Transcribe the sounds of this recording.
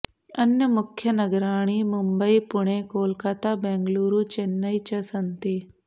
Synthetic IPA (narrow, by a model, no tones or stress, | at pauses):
ɐnjɐmʊkʰjɐnɐɡɾaːɽ̃imʊmbəipʊɳ̃eːkoːlkat̪abɛ̃ːŋɡluːɾuːt͡ʃenːɐit͡ʃɐsɐnt̪i